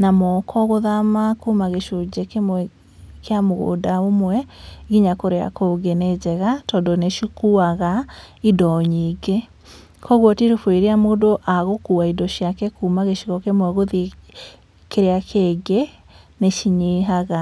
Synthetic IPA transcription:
namɔkʰɔɣoðamakumaɣeʃod͡ʑekemwɛ | keamoɣo̰daomwɛɣiɲakoɾea̰koɡened͡ʑɛɣatɔndoneʃikuaɣaidɔɲiɡe | kɔɣwɔtiɾofweɾeamodoʔaɣokuaidɔʃjakɛkumaɣeʃiɣɔkemwɛɣoði | keɾeakʰeːɡe | neʃiɲeɦaɣa

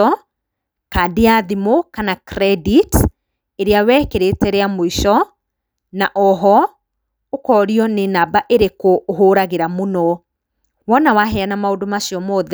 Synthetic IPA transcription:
ɔ | kadiaðimokanakɾɛdit | eɾeawɛːkeɾetɛɾɛamoiʃɔ | naʔɔɦɔ | okɔɾiɔnenabaʔeɾekoɦoːɾaɣeɾamonɔ | wɔnawaɦɛanamaodomaʃiɔmɔðɛ

